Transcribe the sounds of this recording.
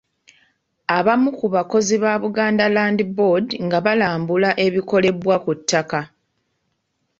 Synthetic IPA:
aβamukuβako̞ziβaːβuɡaːndalaːndibodiŋɡaβalaːmbulaʔe̞βiko̞le̞βwakutʰːaka

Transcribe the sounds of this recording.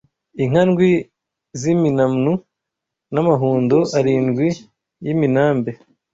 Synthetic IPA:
iŋ̥anɡwi | ziminamnu | namaɦuːndoʔaɾinɡwi | jiminaːmbe̞

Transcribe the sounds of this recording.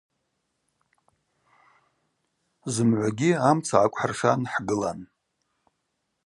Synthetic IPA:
zɨmʕʷaɡʲiamt͡sʰaʕakʷʼħarʂanħɡɨlan

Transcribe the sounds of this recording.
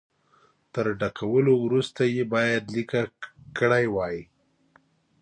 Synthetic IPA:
t̪əɾɖakʰawəlowɾust̪ajebɑjad̪likakəɽajwɑji

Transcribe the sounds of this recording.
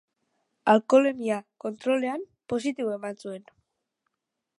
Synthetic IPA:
alko̞le̞miako̞nt̪ɾo̞le̞am | po̞s̬it̪iβoe̞mansue̞n

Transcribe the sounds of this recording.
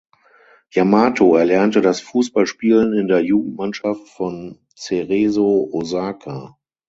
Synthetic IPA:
jamaːtʰoɛɐlɛɐntədasfuːsb̥alʃpiːlənɪndeːɐjuːɡŋ̩tmanʃaftfɔn | t͡seʁezoʔozaːkʰa

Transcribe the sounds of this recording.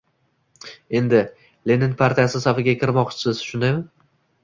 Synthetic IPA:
e̞nd̪ɪ | le̞nɪnpʰaɾt̪ijasɪsafɪɡʲakʲʰɪɾmɒqt͡ʃsʰɪz̥ʃʊnɪmɪ

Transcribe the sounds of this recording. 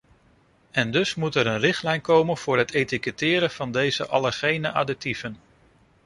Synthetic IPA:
ɛndɵsmutɛɾənrɪχtlɛjnkowmənv̥ʊːɹɦətejtikətɪːɾəv̥ɑndejzə̰ʔɑləχejnəʔadɪk̚tivən

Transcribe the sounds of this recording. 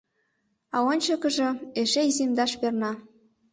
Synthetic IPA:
ɑonʲt͡ɕə̆kə̆ʒĕeʃejzimd̪ɑʃpernɑ

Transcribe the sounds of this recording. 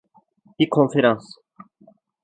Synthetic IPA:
d̪̥ikʰɔnfeɾɑ̃ns

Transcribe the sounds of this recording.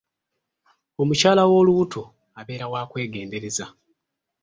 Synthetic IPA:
o̞mucaːlawo̞ːluutʰo | aβe̞ːɾawaːkwe̞ːɡe̞ːnde̞ɾe̞za

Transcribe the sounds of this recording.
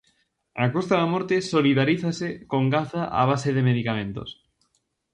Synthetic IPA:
akost̪aðamoɾt̪esoliðaɾiθasekoŋɡaθaʔa̰β̞aseðemeðikamẽnt̪o̰s

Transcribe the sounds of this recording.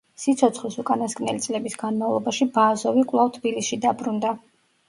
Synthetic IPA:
sit̪sʰɔt̪sʰχlisukʼanaskʼnɛ̰lit̪sʼlɛbisɡanmavlˠɔbaʃibazɔvikʼlˠavt̪ʰbilisʃid̪abɾund̪a

